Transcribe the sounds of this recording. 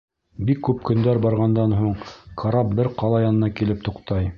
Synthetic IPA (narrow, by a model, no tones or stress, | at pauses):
bikːʉp̚kɵ̆nd̪æɾbɑɾʁɑnd̪ɑnɦuɴkʰɑɾɑp̚bɘɾqɑlˠɑjɑnɤ̆nɑkilɘp̚t̪ŏqt̪ɑj